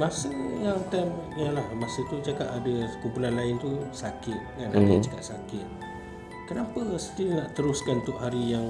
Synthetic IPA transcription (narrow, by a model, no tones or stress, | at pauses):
masəjaŋt̪amalahmasət̪ud͡ʒakaʔ̪adəkumpunanlaɪnt̪usakɪt̪̚kanadəd͡ʒəkat̪̚sakɪt̪̚ | kənapəsət̪inaʔt̪əɾʊskanunt̪ʊʔɦaɾijaŋ